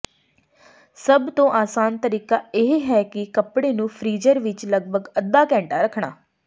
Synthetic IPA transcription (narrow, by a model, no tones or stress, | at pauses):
səbt̪õːʔaːsaːnt̪əɾiːkaːeːɦɦɛːkɪkəpɽeːnũːpʰɾiːd͡ʒəɾʋɪt͡ʃləɡbʱəɡəd̪aːkɛ̃ːɳʈaːɾəkʰɳa̰ː